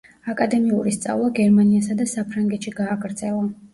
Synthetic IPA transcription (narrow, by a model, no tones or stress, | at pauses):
akʼad̪ɛmiuɾist̪sʼa̰vlˠaɡɛɾmaniasad̪asapʰɾaŋɡɛt̪ʃiɡaːɡɾd̪zɛlˠa